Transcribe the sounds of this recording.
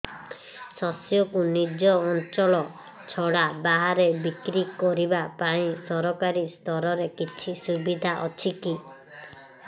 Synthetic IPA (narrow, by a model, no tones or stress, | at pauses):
sɔsjɔkunid͡ʒɔːnt͡ʃɔɭɔ | t͡ʃʰɔɽabaɦaɾebikɾikɔɾibapãĩsɔɾɔkaɾist̪ɔɾɔɾekit͡ʃʰisubid̪ʱaʔɔt͡ʃʰiki